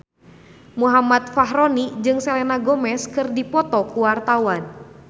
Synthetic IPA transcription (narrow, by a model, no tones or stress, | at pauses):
muɦamat̪̚faɦɾɔnid͡ʒɨŋsɛlɛnaɡɔmɛskɨrdipɔt̪ɔkuwart̪awan